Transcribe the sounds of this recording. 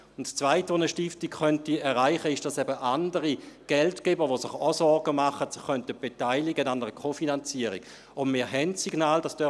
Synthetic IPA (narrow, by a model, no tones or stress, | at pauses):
ʊntst͡svaɪtʋonəʃtɪftikχœntiɛʁʁaɪχəɪʃd̥asɛbəʔandəʁiɡ̥ɛltkɛbəʋosɪχɔsɔɐɡəmaχətsɪχːœntəb̥etaɪliɡənandəʁəkʰofinant͡siəʁɪɡ̥ | ʊnmɪːɐɦɛntsiɡnaːldasd̥œ